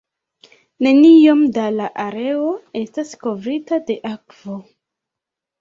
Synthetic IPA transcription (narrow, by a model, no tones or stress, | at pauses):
ne̞nijomdalaʔaɾe̞oe̞stasko̞vɾitade̞ʔakv̥o